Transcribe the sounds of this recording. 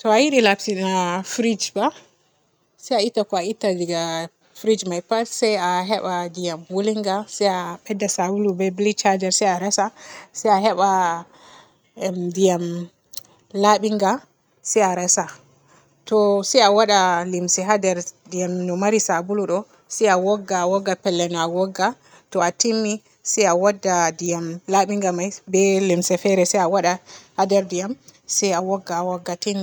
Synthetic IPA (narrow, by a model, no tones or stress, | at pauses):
tɔajiɗilapsinafɾid͡ʒba | sɛjaitːakɔaitːaliɡa | fɾid͡ʒmajpasɛjaɦɛɓadijamwoliŋɡasɛjaɓɛdːasabulubɛblit͡ʃad͡ʒɛɾsɛjaɾasasɛjaɦɛɓa | dijam | laɓiŋɡa | sɛjaɾasa | tɔsɛjawaɗalimsɛɦadɛɾdijamnɔmaɾisabuluɗɔ | sɛjawɔɡːawɔɡːapɛlːɛnɔawɔɡːa | tɔatimːi | sɛjawadːadijamlaɓiŋɡamajbɛlimsɛfɛɾɛsɛjawaɗahadɛɾdijamsɛjawɔɡːawɔɡːatini